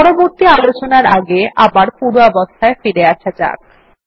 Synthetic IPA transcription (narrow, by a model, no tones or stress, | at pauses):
ɔɾoboɾt̪ialot͡ɕonaɾaɡeʔabaɾpuɾoɔbost̪ʰaefeɾeaʃat͡ɕa̰k̚